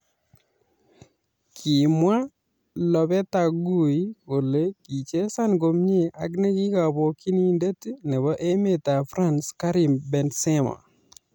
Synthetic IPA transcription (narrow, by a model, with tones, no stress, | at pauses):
kʰi˨mwa˦ | lɔ˨bɛ˦ta˨ɡu˨i˦ko˨le˦ki˨t͡ʃe˦sa˦nɡo˨mɲe˦ʔa̰˨ɡne˦ɡi˦ka˨bɔ˨ki˦ni˦nde˦ti˦nɛ˨βɔ˦ʔe˦me˨ta˨fɾa˦nska˦ɾi˨mbɛ˨nsɛ˦ma̰˨